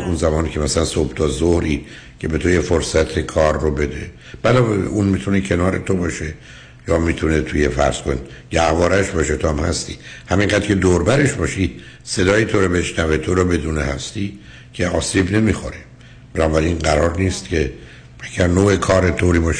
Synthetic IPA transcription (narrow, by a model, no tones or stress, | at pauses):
unzæmɒːnicʰemæsælænsobt̪ʰɒzohɾiː | cʰe̞be̞t̪ʰojefoɾsæt̪ʰe̞kʰɒːɾːobe̞d̪e̞ | b̥ælɒːbḛʔunmit̪ʰunecʰe̞nɒːɾet̪ʰo̞bɒːʃe̞ | jɒːmit̪ʰunet̪ʰujefæ̰ɾz̥koneɟ̥æhvɒːɾæʃbɒːʃet̪ʰohæmhæ̰st̪iːhæmiŋɡæd̪ɾkcʰe̞d̪oɾbæɾe̞ʃbɒːʃi | se̞d̪ɒːjit̪ʰoɾobe̞ʃnævet̪ʰoɾɔbe̞d̪uːnehæst̪iː | cʰe̞ɒːsiːbne̞mixo̰ɾe | b̥enɒːbæɾinɡæɾɒːɾniːst̪cʰe̞ | æɡ̥æɾnoːekʰɒːɾet̪ʰoːɾiːbɒʃ